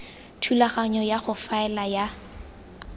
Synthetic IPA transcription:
tʰulaχaɲɔjaχʊfaɛlaja

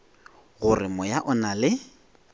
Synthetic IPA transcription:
ɣʊrɪmɔjaʔɔnalɪ

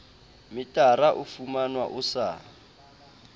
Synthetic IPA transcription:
mitʼaraʔufumanwa̰ʔusaː

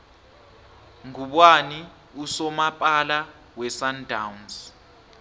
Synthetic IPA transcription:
ŋuɓwani | usɔmapʼala | wɛsandʱauns

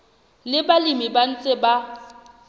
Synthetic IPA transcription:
lɪbalimiban̩t͡sʼɪba

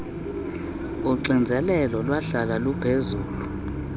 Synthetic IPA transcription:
uǀind͡zʱɛlɛlɔlwaɬalalupʰezuːlu

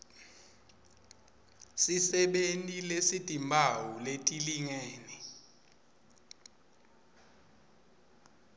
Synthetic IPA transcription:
sisɛɓentʼilesid̥ʱimbʱawuletʼiliŋeːni

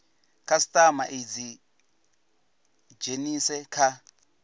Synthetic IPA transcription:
kʰasi̥tʼama̰ʔed͡zi | d͡ʒenisɛkʰa

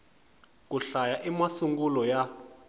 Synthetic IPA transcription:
k̬ʼuɬajaʔimasuŋɡulɔja

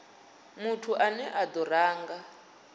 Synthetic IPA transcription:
mutʰuʔanɛʔad̪ɔraːŋɡa

